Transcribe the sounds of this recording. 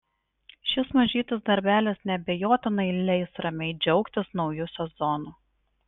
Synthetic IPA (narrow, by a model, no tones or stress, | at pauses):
ʃʲɪsmɐʒʲiːt̪ʲɐsd̪ɐɾʲbʲæːlʲɛsnʲɛbʲejoːt̪ʲɪnɐɪlʲɛɪsɾɐmʲɛɪd͡ʒʲɛʊkt̪ʲɪsnɒʊjʊsʲɛzɔnuː